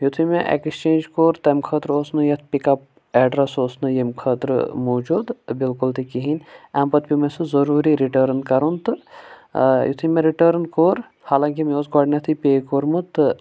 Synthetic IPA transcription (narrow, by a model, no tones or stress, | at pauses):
jut̪ʰumeʔḛkst͡ʃeːnd͡ʒkoːɾt̪emkʰəːt̪ɾoːsnɨjɐt̪̚ʰpikɐp̚ | ɛɖɾɐsoːsnɨjemkʰəːt̪ɾɨ̰moːd͡ʒuːd̪bilkult̪ikiɦinɛmpɐt̪̚pʲimesɨzɐɾuːɾiɾiʈəːɾnkɐɾunt̪ɨ | jṵt̪ʰimeɾiʈəːɾnkoːɾ | haːlãːŋkimioːsɡaːɖnʲɐt̪ʰipʲeːkoːɾmɨt̪ɨ